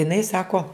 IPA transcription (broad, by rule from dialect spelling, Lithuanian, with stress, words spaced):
ɪˈnɐɪ ˈsɑːkoː